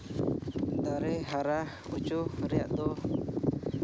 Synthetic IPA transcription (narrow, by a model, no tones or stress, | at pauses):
d̪aɾɛɦaɾahut͡ʃuhɾijaʔd̪ɔ